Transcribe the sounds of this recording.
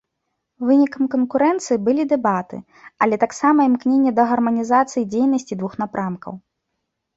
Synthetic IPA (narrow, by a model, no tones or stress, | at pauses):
vɨnʲikɐmkɐnkuɾɛnt̪sɨjibɨlʲid̪ɛbat̪ɨ̰ | ɐlʲɛt̪aksamɐimknʲenʲːɛd̪ɐɣɐrmɐnʲizat̪sɨjid͡zʲejnɐsʲt͡sʲid̪vuxn̪apɾamkɐ̰w